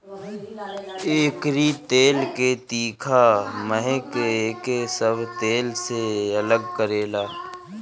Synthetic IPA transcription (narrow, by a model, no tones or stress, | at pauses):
eːkɾit̪eːlket̪iːkʰaməɦẽkeeːkesəbʱt̪eːlseɐləɡ̚kəɾeːlaː